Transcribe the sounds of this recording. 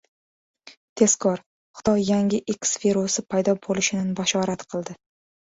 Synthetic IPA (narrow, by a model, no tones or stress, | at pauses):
t̪ʰe̞skʰɒɾ | χʊ̥t̪ɒjːaŋʲɪʔekʲsfiɾosɪpʰajd̪ɒbolɪʃɪnanbaʃɒɾat̪qʰɨlˠd̪ɪ